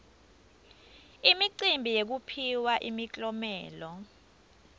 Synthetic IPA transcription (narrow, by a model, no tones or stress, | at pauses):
imiǀimbʱijek̬upʰiwaʔimit͡ɬʼɔmɛːlɔ